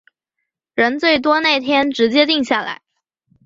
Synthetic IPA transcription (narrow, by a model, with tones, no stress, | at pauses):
ɻə˧˥nt͡swe˥˩ɪt̪̬wɔ˥na˥˩ɪt̪ʰjɛ˥nʈ͡ʂɻ̩˧˥t͡ɕjɛ˥t̪i˥˧ŋɕja˥˩la̰˧˥ɪ